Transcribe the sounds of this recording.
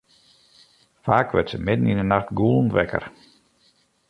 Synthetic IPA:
faːkʋə̰tsəmɪdən̩inənaxtɡulˠn̩tʋɛkə̰r

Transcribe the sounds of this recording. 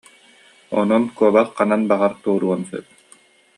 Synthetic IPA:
ɔ̰nɔnkuɔbaχːananbaʁaɾt̪uɔɾuɔnsœ̰t̪̚

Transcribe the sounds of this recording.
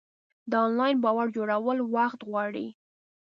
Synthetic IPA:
d̪əɑnlɑjnbɑwaɽd͡ʒoɽawəlwaxt̪ɣwɑɽḭ

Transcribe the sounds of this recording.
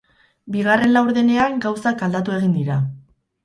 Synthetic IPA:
biɣ̞are̞nlawɾðene̞aŋɡawsakald̪at̪ue̞ɣ̞ind̪iɾa

